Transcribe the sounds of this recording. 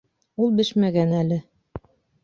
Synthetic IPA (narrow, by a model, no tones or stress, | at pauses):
ulˠbɘʃmæɡænælɘ